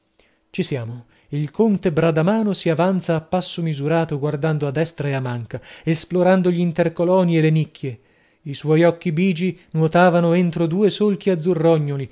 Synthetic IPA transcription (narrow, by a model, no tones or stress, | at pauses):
t͡ʃisjaːmo | ilkont̪ebɾad̪amaːnosiavant̪saːpːasːomizuɾaːt̪oɡward̪and̪oad̪ːɛst̪ɾaeamːaŋkaesploɾand̪oʎiːnt̪erkolɔːnielenikʰːje | iswɔjɔkːibiːd͡ʒinwɔt̪aːvanoent̪ɾod̪uːesolk̟iad̪zːurːɔɲːoli